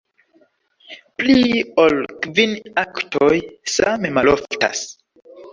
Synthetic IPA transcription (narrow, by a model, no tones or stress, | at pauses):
pliolkvinaktʰojsamemalofta̰s